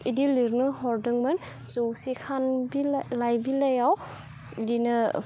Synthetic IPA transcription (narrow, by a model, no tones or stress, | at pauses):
idiliɾnɯɦɔɾdɯŋman | sɯwsikʰanbilajbilajaw | idinɯ